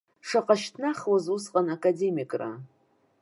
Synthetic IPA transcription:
ʂaqʼaʃtʰnaχwazusqʼanakʼade̞mikʼra̰

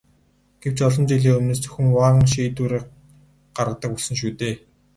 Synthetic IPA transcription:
ɡ̥ew̥t͡ɕɔɮɞ̆mt͡ɕiɮiːɵmneːs̬t͡sʰɵ̥xʲɘ̆ŋwaːʁə̆ŋʃiːt̪uːɾeː | ɢ̥arʁə̆t̪ə̆kuɮsɘ̆nʃ̬uːt̪eː

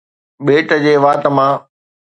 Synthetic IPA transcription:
ɓeːʈəd͡ʑeːʋaːt̪əmãː

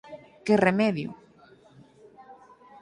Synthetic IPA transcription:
keremɛðjṵ

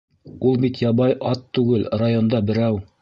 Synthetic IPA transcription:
ulˠbit̪jɑβɑjʔɑt̪ːʉɡɘlrajo̞nd̪ɑbɘ̆ɾæw

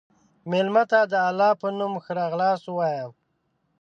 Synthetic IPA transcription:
melmat̪ad̪əalːɑpənumxəɾɑɣlɑswɑjaw

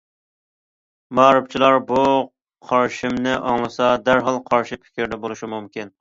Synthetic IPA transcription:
mɑːɾɨp̚t͡ʃʰilˠɑɾbu | qʰɑɾʃɪmnɪʔɑŋlˠɨsɑd̪æɾɦɑlˠqʰɑɾʃipʰɪ̥kʲʰɪɾd̪ɛbolˠuʃimumkʲin

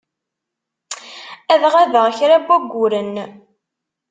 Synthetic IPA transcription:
æðʁæðəʁçɾæbːæɡʷːʊɾən

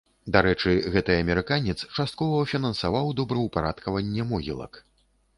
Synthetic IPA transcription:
d̪aɾɛt͡ʂɨɣɛt̪ɨjɐmʲɛɾɨkanʲɛt̪st͡ʂast̪̚kɔvɐfʲinɐnsavawd̪ɔbɾɐwpaɾat̪kɐvɐnʲːɛmɔɣʲḭlˠɐ̰k

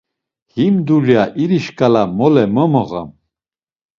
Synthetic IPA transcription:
himd̪uljaʔiɾiʃkʼalamɔlɛmɔmɔɣa̰m

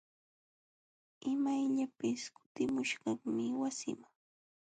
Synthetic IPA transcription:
ɪmajʎapɪskʊ̥t̪ɪmʊʃɢɑŋmɪwasɪ̰maŋ

